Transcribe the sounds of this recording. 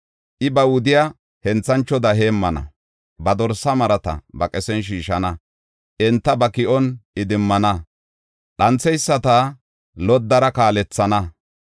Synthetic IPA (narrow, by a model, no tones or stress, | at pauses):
ʔɪbɐwʊd̪ɪja | hɛnt͡sːɐnt͡ʃːɔd̪ɐɦe̞ːmːɐnɐ̰ | bɐd̪ɔɾsɐmɐɾɐt̪ɐ̰bɐkʼɛsɛnʃ̬iːʃɐnɐ | ʔɪnt̪ːɐbɐkɪʔɔnɪd̪ɪmːɐnɐ | ɗɐnt͡sːɛjsːɐt̪a | lɔd̪ːɐɾɐkaːlɛt͡sːɐnɐ